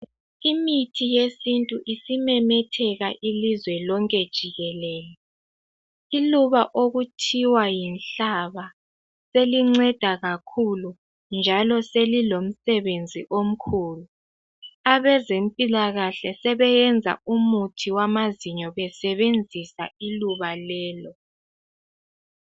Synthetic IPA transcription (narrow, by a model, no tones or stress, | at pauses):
imitʰijesintʼuʔisimɛmɛtʰɛɣaʔilizwɛlɔŋkʼɛd̥ʒ̥ʱiɣɛlɛːlɛ | iluβaʔoɣutʰiwajinɬaβa | seliŋ͡ǀɛd̥ʱaɣakʰulu | nd͡ʒʱalɔselilom̩sɛβend͡zʱiʔom̩kʰuːlu | aβɛzempʼilaɣaɬɛsɛβɛjɛnd͡zʱa̰umutʰiwamaziɲɔβɛsɛβend͡zʱisa̰iluβalɛːlɔ